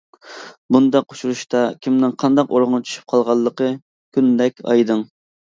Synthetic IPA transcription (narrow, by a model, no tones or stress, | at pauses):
bund̪ɑquʃuɾuʃt̪ɑkʲʰimnɪŋqʰɑnd̪ɑqoɾʁʊŋt͡ʃʰy̥ʃy̥p̚qʰɑlˠʁɑlˠːəqə | kʲʰynd̪ɛkʲɑ̰jd̪ɨŋ